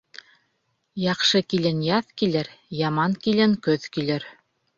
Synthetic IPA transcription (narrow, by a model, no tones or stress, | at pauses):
jɑqʃɤkilɘnjɑðkilɘɾjɑmɑŋkilɘŋkɵðkilɘɾ